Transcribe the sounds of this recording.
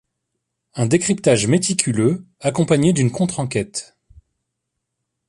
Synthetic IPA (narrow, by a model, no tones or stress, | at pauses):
ɛ̃d̪ekχipt̪aʒmet̪ikʲʰylø | akɔ̃paɲed̪ynkɔ̃t̪χɑ̃kʲɛt̪